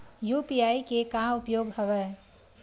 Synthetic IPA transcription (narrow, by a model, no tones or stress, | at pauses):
jupijaikekamʊpjoɡɦəʋɛ